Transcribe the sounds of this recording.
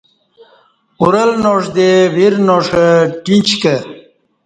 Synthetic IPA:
uɾəlnoʂd̪ewiɾnoʂəʈint͡ɕkə

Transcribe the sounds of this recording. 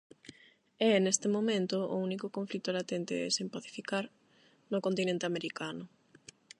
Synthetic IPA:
ɛnest̪ɪmomẽnt̪ʊo̰unikokõɱflit̪olat̪ent̪ḛɛ̰sempaθi̥fikaɾ | nʊkont̪inẽnt̪eameɾikanʊ

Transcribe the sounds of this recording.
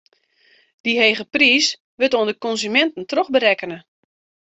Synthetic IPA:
d̥iɦejɣəpriːs | ʋɪtoəndəkɔnzymɛntən̩trɔχbəɾɛkənə

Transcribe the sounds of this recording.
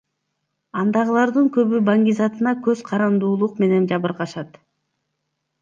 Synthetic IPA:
ɑnd̪ɑʁɯlˠɑɾd̪ɯŋkø̞βybaŋɡʲizɑt̪ɯnɑkøzqʰɑɾɑnd̪uːlˠuqme̞ne̞nd͡ʒɑβɯɾqɑʃɑt̪

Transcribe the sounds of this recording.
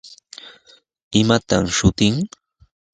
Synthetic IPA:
ɪmat̪amʃʊt̪ɪŋ

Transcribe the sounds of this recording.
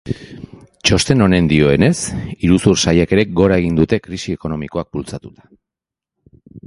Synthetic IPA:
t͡ʃo̞st̪e̞no̞ne̞nd̪io̞e̞ne̞siɾusuɾsajeke̞ɾe̞ɡo̞ɾae̞ɣ̞ind̪ut̪e̞kɾisie̞ko̞no̞miko̞ak̚bult͡sat̪ut̪ḁ

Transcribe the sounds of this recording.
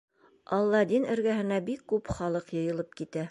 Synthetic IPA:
ɑlˠːɑd̪inɘ̆ɾɡæɦɘ̆næbikːʉpχɑlˠɤqjɤ̆jɤ̆lˠɤp̚kit̪æ

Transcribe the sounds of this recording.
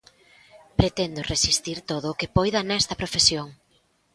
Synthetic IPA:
pɾet̪ɛnd̪ʊresist̪iɾt̪oðʊːkɪpojðɐnɛst̪ɐpɾofesjoŋ

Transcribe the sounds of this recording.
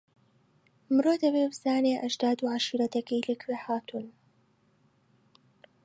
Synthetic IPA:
mɨɾoːd̪ɐbeːbz̥aːneːʔɐʒd̪aːd̪uːʕaʃiːɾɐt̪ɐkɐjlɨkweːhaːt̪ʰuːn

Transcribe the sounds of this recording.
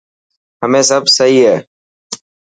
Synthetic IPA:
həmẽːsəbʱsəɦiːɦɛː

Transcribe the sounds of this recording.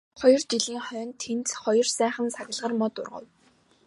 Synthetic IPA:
χɔjɞ̆rt͡ɕiɮiːŋχœːnt̪ʰːent͡sχɔjɞ̆rsæːχə̆nsaɣʲɪ̆ɮʁə̆rmɔt̪ʊ̰rʁə̰̆w

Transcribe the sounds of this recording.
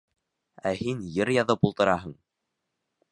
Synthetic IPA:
æhinjɘɾjɑðɤpulˠt̪ɤ̆ɾɑɦɤɴ

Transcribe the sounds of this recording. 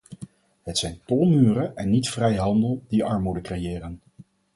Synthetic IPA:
ɦətsɛjntɔlˠmyːrəʔɛnːitfrɛjɦɑndəlˠd̥iʔɑɹmudəkrejɪːrən

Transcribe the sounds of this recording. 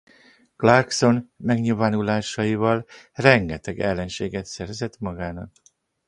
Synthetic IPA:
klarkso̞nmɛɡɲiːlvaːnulaːʃɒjivɒl | rɛŋɡɛt̪ɛɡɛlːɛnʃeːɡɛt̪sɛɾzɛt̪mɒɡaːnɒk

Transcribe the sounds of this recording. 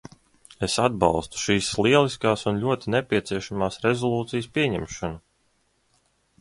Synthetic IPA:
esad̪̚bɑ̰lˠst̪u̥ʃiːslˠiɛlˠiskaːsunʎʲuɔt̪inɛpʲiɛt̪siɛʃamaːsɾezɔlˠuːt̪sijspiɛɲɛmʃɔnu

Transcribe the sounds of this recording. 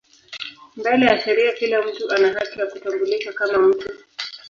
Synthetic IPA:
mbɛlɛjaʃɛɾiakilam̩tuʔanaɦakijakutambulikakamam̩tu

